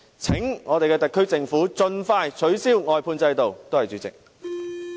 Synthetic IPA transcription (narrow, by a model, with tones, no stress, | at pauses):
t͡sʰɪ˨˥ŋŋɔː˨˧t̪e˨kɛː˧t̪ɐ˨t̚kʰːɵ˥ɥt͡sɪ˨ŋfuː˨˥t͡sɵ˧nfaː˧jt͡ʃʰɵ˨˥ɥsiː˥wŋɔː˨jpʰuː˧nt͡sɐ˧jt̪o˨wt̪o˥whɐ˨jt͡ʃyː˨˥t͡sɪ̰˨k̚